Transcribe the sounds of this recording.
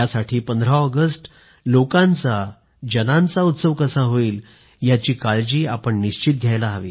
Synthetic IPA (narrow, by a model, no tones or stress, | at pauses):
jasaʈʰiːpənd̪ʱɾaəɡəsʈ | lokãnt͡sa | d͡ʑənãnt͡saut̪səʋkəsaɦoiːl | jat͡ɕiːkald͡ʑiːapəɳːiɕt͡ɕit̪̚ɡʱjajlaɦaʋḭː